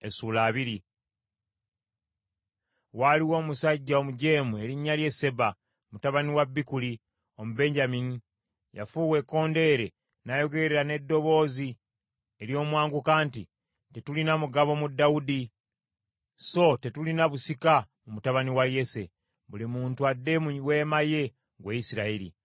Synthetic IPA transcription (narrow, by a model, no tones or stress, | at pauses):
esuːlaːβiɾi | waliwo̞ːmusaɟːaomuɟe̞ːmue̞ɾiɲːalje̞se̞ba | mutaβaniwabːikuli | o̞muβe̞ɲɟamini | ja̰fuːwe̞kːo̞ːnde̞ːɾe̞ | najo̞ɡe̞ɾeɾane̞dːo̞βo̞ːzi | eɾjo̞ːmwaːŋɡukaːnti | te̞tulinamuɡaβo̞mudːaudi | so̞te̞tulinaβusika | mumutaβaniwaje̞se̞ | βulimuːntuadːe̞muwe̞ːmaje̞ | ɡwaisiɾaiɾḭ